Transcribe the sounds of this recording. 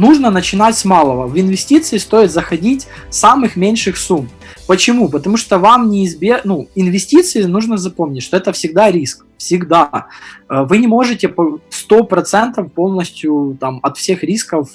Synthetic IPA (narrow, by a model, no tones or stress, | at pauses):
nuʐnənət͡ɕɪnatʲsmalˠəvəvɪnvʲɪsʲtʲit̪sɨɪst̪o̞ɪt̪zəxɐdʲitʲ | samɨxmʲenʲʂɨxsum | pət͡ɕɪmupət̪ɐmuʂt̪ovamnʲɪɪzbʲenuɪnvʲɪsʲtʲit̪sɨɪnuʐnəzɐpo̞mnʲɪtʲʂt̪oɛt̪əfsʲɪɡ̚d̪aɾʲisk | fsʲɪɡd̪a | vɨnʲɪmo̞ʐɨtʲɪpɐst̪o̞pɾɐt̪sɛnt̪əfpo̞lˠnəsʲtʲjʊt̪amɐt̪fsʲe̞xɾʲiskəf